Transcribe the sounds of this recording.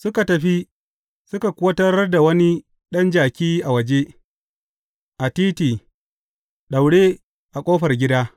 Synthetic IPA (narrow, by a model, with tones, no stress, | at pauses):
sʊ˦ka˨tɐ˨ɸi˦ | sʊ˦ka˨kʷʊ˦ɐ˦tɐ˦rda˨wɐ˦ni˦ | ɗɐ˦nd͡ʒaː˨kʲiː˦ʔa˨wɐ˨d͡ʒe˦ | ʔa˨tiː˦tiː˨ | ɗa˨wɽe˦ | ʔa˨kʷʼoː˦ɸɐ˨rɡʲɪ˦daː˦